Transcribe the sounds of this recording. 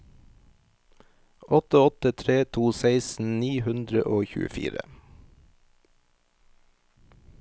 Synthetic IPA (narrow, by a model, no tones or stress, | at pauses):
ʔɔt̪əɔt̪ət̪ʰɾeːt̪ʰuːseɪsn̩niːhʉnd̪ɾə̰ʔoːçʉ̰əfḭːɾə̰